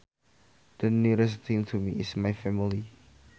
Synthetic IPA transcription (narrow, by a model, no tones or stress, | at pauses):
d̪̥əniɹəs̬θɪ̃ŋtʰumiɪsmajfɛmili